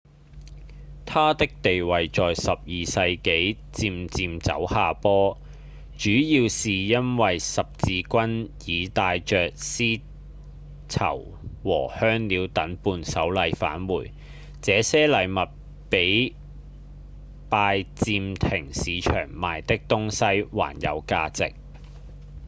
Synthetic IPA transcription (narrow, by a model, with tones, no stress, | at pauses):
t̪ʰaː˥t̪ɪ˥k̚t̪e˨jwɐ˨jt͡sɔː˨jsɐ˨p̚jiː˨sɐ˧jke˨˥j | t͡siː˧mt͡siː˧mt͡sɐ̰˨˥whaː˨pɔː˥ | t͡ʃyː˨˥jiː˧wsiː˨jɐ˥nwɐ˨jsɐ˨p̚t͡siː˧kʷɐ˥njiː˨˧t̪aː˧jt͡ʃœː˨k̚siː˥ | t͡sʰɐ̰˨˩w | wɔ̰ː˨˩hœː˥ŋliː˨˧wt̪ɐ˨˥npuː˧nsɐ˨˥wlɐ˨˧jfa̰ː˨˥nwuː˨˩j | t͡sɛː˨˧sɛː˥lɐ˨˧jmɐ˨t̚ | pe˨˥j | paː˧jt͡siː˧mt̪ʰɪ˨˩ŋsiː˨˧t͡ʃʰœ̰ː˨˩ŋmaː˨jt̪ɪ˥k̚t̪ʊ˥ŋsɐ˥jwa̰ː˨˩njɐ̰˨˧wkaː˧t͡sɪ̰˨k̚